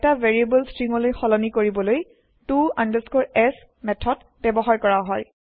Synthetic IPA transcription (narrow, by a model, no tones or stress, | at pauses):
ɛtaveɹiebɔlstɹiŋɔlojxɔlɔnikoɹibɔloj | tuandəskɔɹɛs | mɛtʰɔd | bɛbɔɦaɹkɔɹaɦɔj